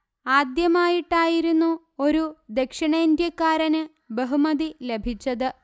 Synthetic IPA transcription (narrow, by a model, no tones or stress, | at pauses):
aːd̪jɐmaːjiʈːaːjiɾunːu | o̞ɾud̪e̞kʂɐɳɐnd̪jɐkːaːɾɐnɨ | beɦumɐðile̞bʱit͡ɕːɐðɨ